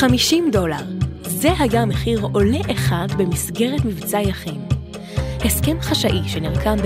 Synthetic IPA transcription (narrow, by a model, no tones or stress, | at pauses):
amiʃimdo̞laʁzeɦajameχiʁo̞leʔeχadbemisɡe̞ʁetmivt͡sajaχim | heskemχaʃaʔiʃenilkʰamb